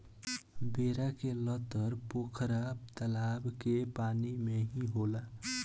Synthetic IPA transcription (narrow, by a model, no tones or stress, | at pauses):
beːɾakelɔːt̪əɾpoːkʰəɾab̚t̪əlaːbkepaːnimẽɦĩɦoːlaː